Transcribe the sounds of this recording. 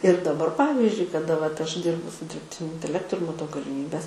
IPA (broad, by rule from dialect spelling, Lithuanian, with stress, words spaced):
ɪr dɐˈbɐr ˈpɑːʋʲiːzʲd͡ʒʲʊɪ kɐˈdɐ ʋɐt ˈɐʃ ˈdʲɪrbʊ sʊ dʲɪrʲpʲˈtʲɪnʲʊ ɪnʲtʲɛˈlʲæːktʊ ɪr mɐˈtɐʊ ɡɐlʲɪˈmʲiːbʲɛs